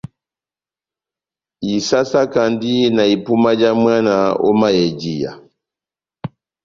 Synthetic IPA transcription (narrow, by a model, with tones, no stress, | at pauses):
i˨sa˦sa˦ka˨ndi˦na˨i˨pu˦ma˦d͡ʒa˦mwa˦na˨ɔ̰˦ma˦jɛ˨d͡ʒi˦ja̰˨